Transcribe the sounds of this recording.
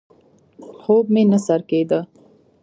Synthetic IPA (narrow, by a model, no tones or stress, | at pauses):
xob̚menasaɾked̪ə